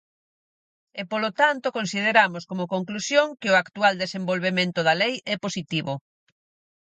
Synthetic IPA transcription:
epolot̪ant̪okonsið̞eɾamoskomokoŋklusjoŋkɪoakt̪uald̪esembolβemẽnt̪oðɐlejɛposit̪iβo

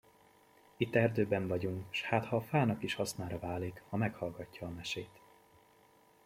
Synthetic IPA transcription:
it̪ːɛrd̪øːbɛɱvɒɟuŋkʃhaːt̪hɒːfaːnɒkiʃhɒsnaːɾɒvaːlikhɒmɛkhɒlɡɒcːɒːmɛʃeːt̪

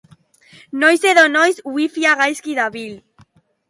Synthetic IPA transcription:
nojseðonojzwifiaɣajskiðaβil

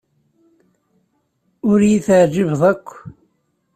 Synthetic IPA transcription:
ʊɾjiθəʕd͡ʒivðˤækʷː

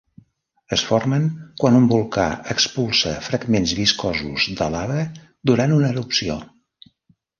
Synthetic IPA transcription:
əsfɔrməŋkwanumbulˠka̰əkspulˠsəfɾəɡmenzβiskɔzuzðəlaβɾə | d̪uɾanunəɾupsio̰

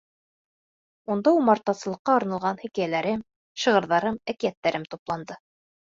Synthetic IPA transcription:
und̪ɑumɑɾt̪ːɑsɤ̆lˠɤ̆qːɑːɾnɑ̆lˠʁɑnhɘ̆kæjælæɾɘm | ʃɤ̆ʁɤ̆ɾðɑɾɤmækijæt̪ːæɾɘmt̪uplˠɑnd̪ɤ

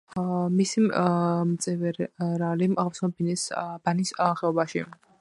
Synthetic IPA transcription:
misimmt̪sʼɛvɛɾɾalimaʁfsʰnɔbinɛsbanisχɛɔbaʃḭ

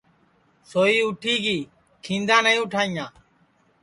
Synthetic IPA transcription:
soːiːʊʈʰiːɡiː | kʰĩːnd̪ãːnəĩːʊʈʰaːĩːãː

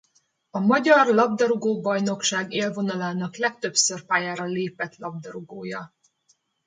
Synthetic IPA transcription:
ɒmɒɟɒrlɒb̚d̪ɒɾoɡoːbɒjno̞kʃaːɡeːlvo̞nɒlaːnɒklɛk̚t̪ø̞psørpaːjaːɾɒleːpɛt̪lɒb̚d̪ɒɾoɡoːjɒ

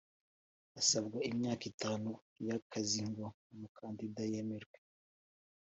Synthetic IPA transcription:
asabɡaimɲaːkitaːnu | jakʰaziŋɡwa | mukʰaːndidajemeɾɡwe

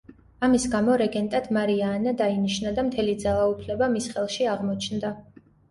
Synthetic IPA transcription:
amisɡamɔɾɛɡɛnt̪ʼad̪maɾiaːnad̪ainiʃnad̪amt̪ʰɛlid̪zalˠaupʰlɛbamisχɛlˠʃiaʁmɔt͡ʃʰnd̪a

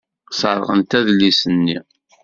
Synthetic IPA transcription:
sərˤə̰ʁə̰nt̪æðlːisənːi

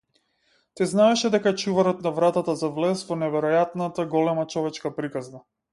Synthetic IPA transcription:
t̪ɛznaɛʃɛd̪ɛkaɛt͡ʃuvaɾɔt̪navɾat̪at̪azavlɛsvɔnɛvɛɾɔjat̪nat̪aɡɔlɛmat͡ʃɔvɛt͡ʃkapɾikazna

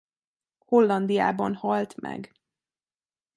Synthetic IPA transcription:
ho̞lːɒnd̪ija̰ːbɒnhɒlt̪mɛ̰ɡ

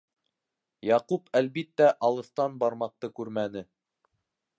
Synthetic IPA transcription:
jɑqupʰælbit̪ːæʔɑlˠɤ̆θt̪ɑnbɑɾmɑq̚t̪ɤkʉɾmænɘ

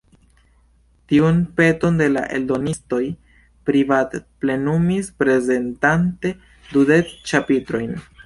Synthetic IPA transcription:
tiunpe̞to̞nde̞la̰ʔe̞̰ldo̞nisto̞j | pɾivatple̞numispɾe̞ze̞ntante̞ | dude̞t͡st͡ʃapitɾo̞jn

